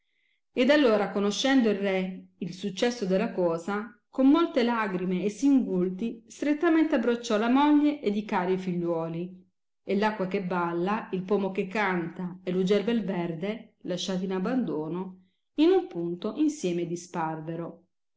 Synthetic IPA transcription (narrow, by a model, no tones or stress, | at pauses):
ed̪alːoːɾakonoʃːɛnd̪oilrɛilsut͡ʃːɛsːod̪elːakɔːzakomːolt̪elaːɡɾimeːsːiŋɡult̪ist̪ɾet̪ːament̪eabːɾot͡ʃːɔlamɔʎːeʔed̪ikaːɾifiʎːwɔːli | elːakːwakebːalːailpoːmokekːant̪aelːud͡ʒɛlbelvɛrd̪elaʃːaːt̪̬inabːand̪oːno | inumpunt̪oʔinsjɛːmed̪isparveɾo